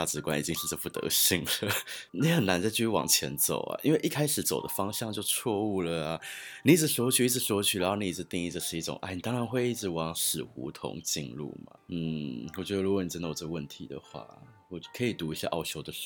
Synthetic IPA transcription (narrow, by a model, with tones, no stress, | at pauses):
a˥˩t͡sɻ̩˧˥kwa̰˥˦nḭ˨˩t͡ɕi˧˦ŋʂɻ̩˥˧ʈ͡ʂɤ˥˧pu˥˩t̪ə̰˧˦ɕi˥˩ŋlə˩ni˧˥xə˨˩na˧˥nt͡sa˥˧ɪt͡ɕʰy˥˧y˥˩wɑ̰˨˩ŋt͡ɕʰjɛ̰˧˦˥nt͡so̰˨˩ʊa̰˨˩ʔḭ˧˥nwe˥˧ʔi˥˩kʰa˥ɪʂɻ̩˨˩t͡so˨˩ʊd̪ə̰˦fɑ˥ŋɕjɑ˥˧ŋt͡ɕjo˥˧ʊt͡sʰwɔ˥˧u˥˩lə˩a˩ni˨˧i˥˩t͡sɻ̩˨˩ʂwɔ˧˥˦t͡ɕʰy˨˩i˥˩t͡s̩ʰ˥˩ʂwɔ˧˥t͡ɕʰy˨˩ɻa˨˧nxo˥˩ni˨˩i˥˩˧t̪i˥˧ŋi˥˩ə˧˩ʂɻ̩˥˧i˥˩ʈ͡ʂʊ̰˨˦ŋʔa˥˩ɪni˨˩t̪ɑ˥ŋɻa˧nxwe˥˧i˥˩t͡sɻ̩˧˥˩wɑ˧˥˦ŋʂɻ̩˨˩xṵ˧˥t̪ʰʊ̰˧˥ŋt͡ɕḭ˥˧nlṵ˥˩ma̰˨˩n̩˥˩wɔ˨˩t͡ɕɥɛ˧˥d̪ə˧ɻu˧˥kɔ˨˩ni˨˩ʈ͡ʂə˥nd̪ə˧˨o˨˩ə˥ɡə˧wə˥˩nt̪ʰḭ˧˥d̪ə̰˨xwa̰˥˩ | wɔ˨˩t͡ɕkʰɤ˧˥i˨˩t̪u˧˥i˧˩ɕja̰˥˧ʔɑ˥˩ʊɕjo˥ʊd̪ə˨ʂ